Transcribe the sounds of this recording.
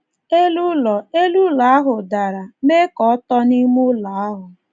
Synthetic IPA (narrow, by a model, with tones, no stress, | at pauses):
e˦lu˦lɔ˨e˦lu˦la˨a˦ɦʊ˨da˨ɾa˨me˦kɔ˨˦tɔ˦ni˦mʊ˦la˨a˦ɦʊ˨